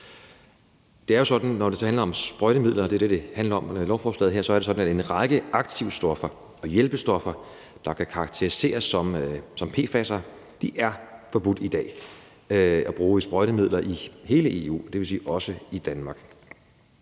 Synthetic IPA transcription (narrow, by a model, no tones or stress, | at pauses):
d̥e̝æɐjo̝sɒ̽d̥n̩nɒd̥e̝shænlɐɒ̽msb̥ʁɒɾəmið̞̰ˠlɐd̥e̝d̥e̝d̥e̝hænlɐɒ̽mlɒʊfɒːslɛ̰ð̩ɦeɐ̰sɒ̽æɐɾ̥esɒ̽d̥n̩æe̝nʁɑ̈ɡ̥əɑ̈ɡ̥̚t͡sʰiʊsd̥ɒ̽fɐ | ɒ̽jelb̥əsd̥ɒ̽fɐ | d̥ɑ̈kʰækʰɑ̈ːɡ̥̚t͡sʰe̝ʁise̝̰ːɐsːɒ̽msɒ̽mpʰe̝̰ːfæsɐ | d̥iʔæɐfɒ̽b̥ud̥id̥ɛ̰ː | æb̥ʁuːsb̥ʁɒɪɾəmið̰ˠlɐʔihe̝ːləe̝ṵːd̥e̝ʋe̝sḭːʔɒ̽səid̥ænmɑ̈ɡ̥